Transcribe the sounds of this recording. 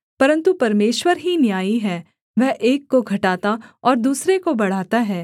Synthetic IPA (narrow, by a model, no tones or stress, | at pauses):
pɐɾə̃nt̪upɐɾmeːʃwəɾɦinjaːiɦɛː | ʋɛɦʔeːkːoɡʱɐʈaːt̪aɔːɾd̪uːsɾekobɐɽ̤aːt̪aɦɛː